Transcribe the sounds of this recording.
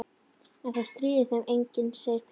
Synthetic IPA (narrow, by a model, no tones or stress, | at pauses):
ɛnθaðst̪ɾiːðɪθɛmʔejɲcɪnseːjɾp